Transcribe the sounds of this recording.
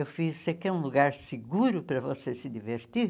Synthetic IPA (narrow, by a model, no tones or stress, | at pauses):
ewfizseɐkeũluɡaɾsɪɡuɾʊpɾɐvosesɪd̪iveɾt̪iɾ